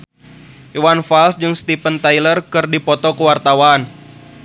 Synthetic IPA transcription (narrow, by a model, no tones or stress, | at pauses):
iwanfalsd͡ʒɨŋst̪ipənt̪ajlərkɨrdipɔt̪ɔkuwart̪awan